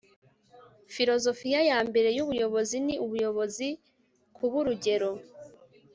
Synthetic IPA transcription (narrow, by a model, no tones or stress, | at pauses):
fiɾo̞zo̞fijajaːmbe̞ɾe̞juβujo̞βo̞ziniʔuβujo̞βo̞zi | kʰuβuɾuɟe̞ɾo̞